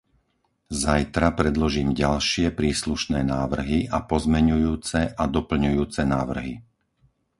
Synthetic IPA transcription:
zajt̪ɾapɾɛd̪lɔʒiːmɟalʃɪɛpɾiːsluʃnɛːnaːʋr̩ɦiʔapɔzmɛɲujuːt͡sɛʔad̪ɔpl̩ɲujuːt͡sɛnaːʋr̩ɦi

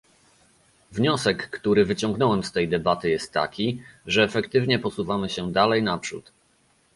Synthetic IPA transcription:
vɲɔsɛkːt̪uɾɘvɘt͡ɕɔ̃ŋɡnɔwɛmst̪ɛjd̪ɛbat̪ɘjɛst̪ːa̰kʲiʐɛːfɛkt̪ɘvɲɛpɔsuvamɘɕɛd̪alɛjnapʂṵt̪

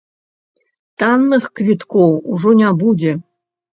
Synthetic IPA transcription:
t̪ɑnːɨxkvʲit̪kowuʐonʲɑbudʲe

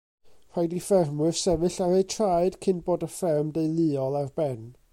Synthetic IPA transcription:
r̥ajdifɛrmwɨv̥sɛvɨɬaɾejtʰrajd̥kʰɪnboːdəfɪrmdejlˠɨɔlˠarbɛn

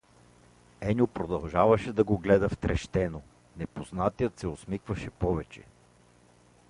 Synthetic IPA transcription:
ɛnʲopɾod̪ɐlˠʒavɐʃɛd̪ɐɡoɡlɛd̪ɐft̪ɾɛʃt̪ɛno | nɛpoznat̪ijət̪sɛosmikvɐʃɛpɔvɛt͡ʃɛ̰

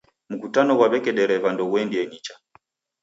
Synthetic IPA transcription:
m̩kutanɔwaɓɛkɛɗɛɾɛvandɔwɛndiɛɲit͡ʃa

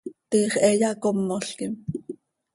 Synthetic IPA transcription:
t̪iːχʔɛjɑkomːoɬkim

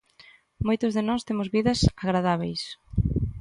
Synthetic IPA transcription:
mojt̪ʊzðɪnɔst̪emʊzβiðɐsaɣɾaðaβ̞ejs

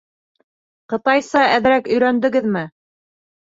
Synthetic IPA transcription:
qɤ̆t̪ɑjsɑʔæðɾækɵ̆jɾænd̪ɘ̆ɡɘðmɘ

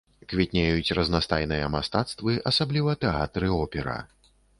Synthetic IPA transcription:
kvʲit̪ʲnʲejut͡sʲrɐznast̪ajn̪ɨjɐmast̪at̪st̪vɨʔɐsablʲivɐt̪ɛa̰t̪ɾɨɔpʲɛɾɐ̰

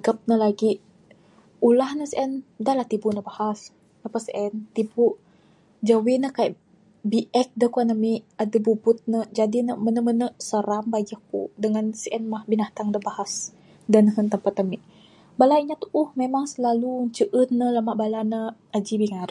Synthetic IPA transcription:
ɡəp̚nəlaɡiʔ | ulahnəsəʔɛndalaht̪ibunəbahas | nəpəsəʔɛnt̪ibu | d͡ʒawinəkajʔ | biʔɛk̚dəkuanəmiʔadəbubʊt̪̚nəd͡ʒadinəmənəmənəsəɾambad͡ʒəhkṵdəŋansəʔɛnmahbinaht̪aŋdəbahas | dənəɦənt̪əmpat̪əmiʔ | balaiɲat̪uʔuhmemaŋsəlaluɲt͡ʃəʔənːələmaʔbalanəad͡ʒibiŋaɾ

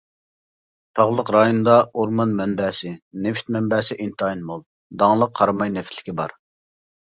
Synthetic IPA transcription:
t̪ʰɑʁlˠəqɾɑjonɨd̪ɑuɾmɑnmɛnbɛːsɪneft̪̚mɛmbɛːsɪʔint̪ɑinmolˠ | d̪ɑŋlˠəqʰːɑɾmɑjnɛft̪ʰlɪ̥kʲibɑ̰ɾ

